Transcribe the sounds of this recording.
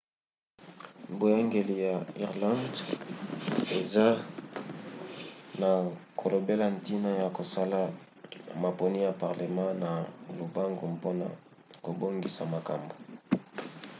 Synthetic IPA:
bo˨ja˦ŋɡe˨li˨ja˨i˨ʁlã˦nd | e˨za˦ | na˨kʰo˨lo˨be˦la˦n˦ti˦na˦ja˨ko˨sa˦la˦ | ma˨po˨ni˦ja˨pa˨ʁle˨mã˦na˨lo˨ba˦ŋɡo˨mpo˦na̰˨ | ko˨bo˦ŋɡi˨sa˨ma˨ka̰˨mbo˨

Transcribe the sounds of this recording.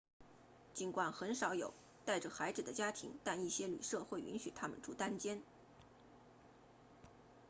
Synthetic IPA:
t͡ɕi˧˥nkwa˨˩nxə˧˥nʂɑ˧˥ʊjo˨˩ʊ | t̪a˥˩ɪʈ͡ʂə˩xa˧˥ɪt͡sɹ̩˨˩d̪ə˦t͡ɕja˥t̪ʰḭ˧˥ŋt̪a˥˧ni˥˩ɕjɛ˥ly̰˨˩ʂɤ˥˧xwe˥˩ɪʔy̰˧˥nɕy˨˩t̪ʰa˥mə̰˨nʈ͡ʂʰu˥˩t̪a˥nt͡ɕjɛ˥n

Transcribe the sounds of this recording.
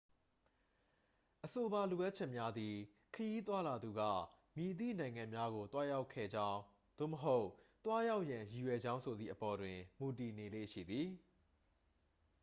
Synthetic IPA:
ʔəso˨ba˨lu˨ʔa˦ʔt͡ɕʰɛ˦ʔmja˦d̪i˨ | kʰəji˦t̪̬wa˦la˨d̪u˨ɡa̰˦˨ | mji˨t̪ḭ˦˨nã˨ɪ̃ŋã˨mja˦ɣo˨t̪wa˦ja˦ʊkʰːɛ̰˦˨d͡ʑã˦ʊ̃ | d̪̥o̰˦˨məɦo˦ʊʔt̪wa˦ja˦ʊʔjã˨ji˨jwɛ˨d͡ʑã˦ʊ̃sʰo˨d̪ðḭ˨ʔəpɔ˨dwɪ̃˨mu˨ti˨ne˨lḛ˦˨ʃḭ˦˨d̪ði˨

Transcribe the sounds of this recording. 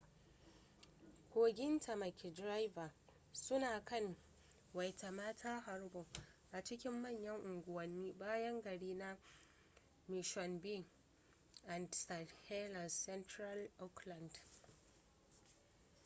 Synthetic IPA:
kʷoː˨ɡʲɪ˦ntʰɐ˨mɐ˨kʲi˨dɾa˦jva˨ | sʊ˦naː˨kɐ˦˨n | wɐ˨jta˨maː˦tʰaː˦ɦa˨rbo˨ʔa˨t͡ʃɪ˦kʲɪ˦mːɐ˦˨ɲjɐ˦ŋʔʊ˨ŋɡʷʊ˨wɐ˨nːiː˦baː˦jɐ˦ŋɡɐ˨ɽiː˦na˦ | mɪ˨ʃɔ˨nbi˦˨ŋ | ʔa˨ndsa˨he˦la˨sɛ˦ntɾa˦lʔɔ˦kla˨nd

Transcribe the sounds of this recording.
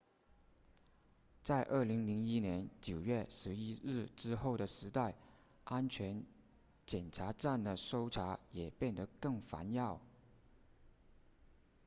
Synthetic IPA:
t͡sa˥˧ɪʔə˞˥˩li˧˥ŋli˧˥ŋi˥njɛ˧˥nt͡ɕjo˨˩ʊɥɛ˥˩ʂɻ̩˧˥i˥ɻɻ̩˥˩ʈ͡ʂɻ̩˥xo˥˩ʊɾə˩ʂɻ̩˧˥t̪a˥˩ɪ | ʔa˥nt͡ɕʰɥɛ˧˥n | t͡ɕjɛ˨˩nʈ͡ʂʰa˧˥ʈ͡ʂa˥˩nd̪ə˩ʂo˥ʊʈ͡ʂʰa˧˥jɛ˨˩pjɛ˥˩nd̪ə˩kɤ˥˩ŋfa̰˧˥njɑ˥˩ʊ

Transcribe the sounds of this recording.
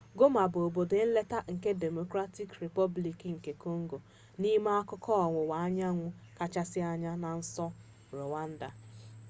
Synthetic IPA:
ɡo˦ma˨bo˨bo˨de˨n̩˦le˦ta˦ŋ̩˨ke˦de˨mo˨kɾa˦ti˦kɾe˨pɔ˦bli˨ki˨ŋ̩˨ke˨ko˦ŋ̩˦ɡo˨ | ni˦ma˦a˦kʊ˦kɔ˦ɔ˨ŋʷʊ˨wa˨a˦ɲa˦ŋʷʊ˦ka˦t͡ʃa˦sɪ˦a˦ɲa˦na˨n̩˦sɔ˦ | ɾo˨wa˦n̩˦da˨

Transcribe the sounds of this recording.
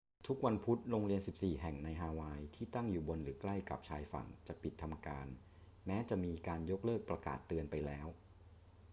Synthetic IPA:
t̪ʰu˦˥k̚wa˧npʰu˦˥t̪̚ɾo˧ŋɾi˧ənsi˨˩p̚siː˨˩ɦɛ˨˩ŋna˧jɦaː˧waː˧jt̪ʰiː˥˩t̪a˥˩ŋjuː˨˩bo˧nɾɯː˩˦kla˥˩jka̰˨˩p̚t͡ɕʰaː˧jfa̰˨˩˦ŋt͡ɕa˨˩pʰi˨˩t̪ʰːa˧mkaː˧n | mɛː˦˥t͡ɕa˨˩ʔmiː˧kaː˧njo˦˥k̚lɤː˥˩k̚pɾa˧ka̰ː˨˩t̪ːɯ˧ənpa˧jlɛː˦˥w

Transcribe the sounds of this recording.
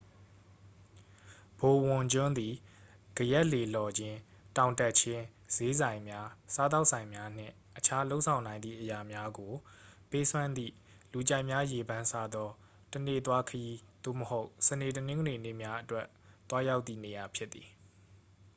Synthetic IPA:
b̥o˨wʊ̃˨ɲd͡ʑʊ̃˦nd̪i˨ | ɡ̥əjɛ˦ʔle˨lɔ˨d͡ʑɪ̃˦ | tã˨ʊ̃ntɛ˦ʔt͡ɕʰɪ̃˦ | z̥e˦zã˨ɪ̃mja˦sa˦t̪a˦ʊʔsʰã˨ɪ̃mja˦n̥ɪ̰̃˦˨ | ʔət͡ɕʰa˦lo˦ʊʔsʰã˨ʊ̃nã˨ɪ̃d̪ðḭ˦˨ʔəja˨mja˦ɡo˨pe˦sʰwã˦nd̪ḭ˦˨ | lu˨t͡ɕa˦ɪʔmja˦je˨bã˦nsa˦d̪ɔ˦ | tənḛ˦˨t̪wa˦kʰəji˦d̪̥o̰˦˨məho˦ʊsəne˨tənɪ̃˦ŋɡəne˨nḛ˦˨mja˦ʔətwɛ˦ʔ | t̪wa˦ja˦ʊt̪ːḭ˦˨ne˨ja˨pʰjɪ˦t̪ːi˨

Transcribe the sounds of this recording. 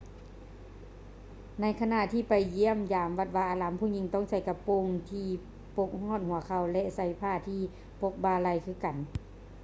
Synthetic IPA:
na˧˩jkʰa˧na˧˨t̪ʰiː˧˨pa˨jːi˧˥˩əmjaː˨˦mʋa˧t̪̚waː˧ʔaː˧˩laː˨˦mpʰuː˧˨ɲi˧˨ŋt̪ɔ˧˥˨ŋsa˧˩jka˧po˧˨ŋt̪ʰiː˧ | po˧˦k̚hɔː˧˥˨n̚hu˨˦ɐkʰa˧˩wlɛ˧ʔsa˧˩jpʰaː˧˩˨t̪ʰiː˧˩ | po˧˦k̚baː˧˩la˧˨jkʰɯː˧˩˨ka˨n

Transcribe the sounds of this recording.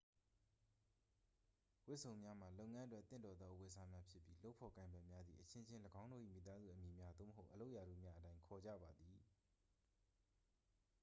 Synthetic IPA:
wɪ˦ʔsʰõ˨ʊ̃mja˦m̥a˨lo˦ʊʔŋã˦ʔətwɛ˦ʔt̪θɪ̰̃˦˨ndɔ˨d̪ðɔ˦˨ʔwe˨sʰa˦mja˦pʰjɪ˦pji˦lo˦ʊpʰɔ˨kã˨ɪ̃mbɛ˦˨mja˦d̪ðḭ˨ʔət͡ɕʰɪ̃˦t͡ɕʰɪ̃˦ləɡã˦ʊ̃ndo˦˨ʔḭ˦˨mḭ˦˨t̪a˦zṵ˦˨ʔə˨mji˨mja˦d̪o̰˦˨məɦo˦ʊʔəlo˦ʊʔja˨ɾṵ˦˨mja˦ʔətã˦ɪ̃ŋkʰɔ˨d͡ʑa̰˦˨ba˨d̪i˨

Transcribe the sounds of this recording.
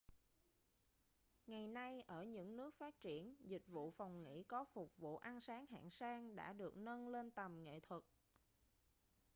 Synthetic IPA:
ŋa˨˩jna˧jʔəː˧˩ɲɨ̰˧˥ŋnɨ˦˥ək̚faː˦˥t̚t͡ɕi˧˩ənzï˨˩k̟̚vṵ˧˨fa˨˩wŋ͡mŋḭ˧˥kɔ˨˦fʊ˨˩k͡p̚vṵ˧˨ʔa˧nsaː˨˦ŋɦa̰ː˧˨ŋsaː˧ŋɗa̰ː˧˥ɗɨ˨˩ək̚nə˧nle˧nt̪ə˨˩mŋḛ˧˨t̪ʰwə˨˩k̚

